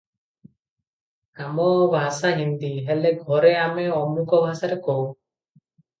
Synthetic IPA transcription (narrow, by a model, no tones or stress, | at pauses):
amɔbʱasaɦind̪iɦɛlɛɡʱɔɾɛamɛɔmukɔbʱasaɾɛkɔw